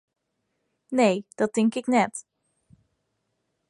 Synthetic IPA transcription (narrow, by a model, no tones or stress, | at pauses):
nejd̥ɑt̚ɪŋkɪknɛt